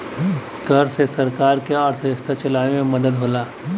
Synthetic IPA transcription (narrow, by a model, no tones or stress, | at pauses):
kəɾsesɐɾkaːɾkeəɾt̪ʰəd͡ʒəst̪ʰat͡ʃɐlaːʋemẽməd̪əd̪ɦoːlaː